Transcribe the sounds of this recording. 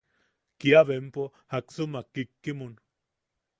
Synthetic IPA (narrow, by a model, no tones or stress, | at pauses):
kiaβempohaksumakːikːimun